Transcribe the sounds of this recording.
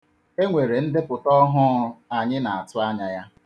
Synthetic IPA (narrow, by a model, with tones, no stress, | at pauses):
e˦ŋʷe˨ɾe˨n̩˦dɪ˦pʊ˨tɔ˦ɦʊ˦a˨ɲɪ˦na˨a˨tʊ˦a˦ɲa˨ja˦